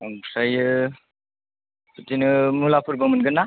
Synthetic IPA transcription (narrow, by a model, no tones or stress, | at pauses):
aŋsajɯ | ɯtinɯmulapʰɯɾbəmɯnɡɯnːa